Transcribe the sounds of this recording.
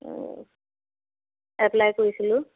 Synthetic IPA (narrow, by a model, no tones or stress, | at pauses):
ɛplajkoɹisilʊ